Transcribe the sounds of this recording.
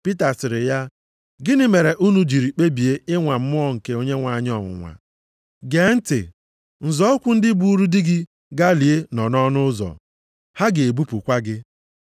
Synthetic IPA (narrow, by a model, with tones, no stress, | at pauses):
pi˦ta˨sɪ˨ɾɪ˨ja˦ | ɡɪ˦nɪ˦me˨ɾe˨ʔu˦nu˦d͡ʒi˨ɾi˨k͡pe˦bi˨e˦ɪ˦ŋʷa˨m̩˦mʊ˦ɔ˦ŋ̩˨ke˨o˦ɲe˦ŋʷa˨ɲ˦ɔ˨ŋʷʊ̰˨ŋʷa̰˨ | ɡe˨˦n̩˦tɪ̰˨ | n̩˨zɔ˦ɔ˦kʷʊ˦n̩˦dɪ˦bu˦u˦ɾu˦dɪ˦ɡɪ˦ | ɡa˦li˨e˦nɔ˨nɔ˦nʊ˦zɔ̰˨ | ha˦ɡɪ˨e˨bu˦pu˨kʷa˦ɡɪ˦